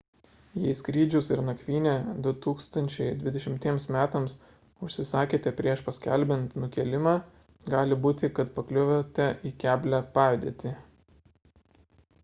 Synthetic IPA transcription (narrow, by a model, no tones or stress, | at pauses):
jɛɪskɾʲiːd͡ʒʲʊsɪɾnɐkʲʋʲiːnʲeːd̪ʊt̪uːkst̪ɐnʲt͡ʃʲɛɪd̪ʲʋʲɪd̪ʲɛʃʲɪmʲt̪ʲiɛmsmʲæːt̪ɐms | ʊʃʲsʲɪsɑːkʲeːt̪ʲɛpʲɾʲiɛʃpɐsʲkʲæ̰lʲbʲɛnt̪nʊkʲɛlʲɪmɑː | ɡɑːlʲɪbuːt̪ʲɪkɐt̪pɐklʲʊʋʲot̪ʲɛʔiːkʲæːbʲlʲæpɑːd̪ʲḛt̪ʲɪ